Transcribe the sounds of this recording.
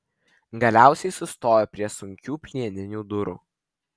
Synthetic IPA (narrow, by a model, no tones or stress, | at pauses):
ɡɐlʲæˑʊsʲɛɪsʊst̪oːjoːpʲɾʲiɛsʊŋʲkʲuːpʲlʲiɛnʲɪnʲuːd̪ʊɾṵː